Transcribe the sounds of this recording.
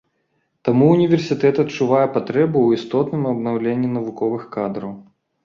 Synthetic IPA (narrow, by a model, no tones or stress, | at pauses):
t̪amuːnʲivʲɛrsʲit̪ɛt̪ɐt̪t͡ʂuvajɛpat̪ɾɛbuwist̪ɔt̪nɨmɐbnawlʲenʲːinɐvukɔvɨxkad̪ɾɐw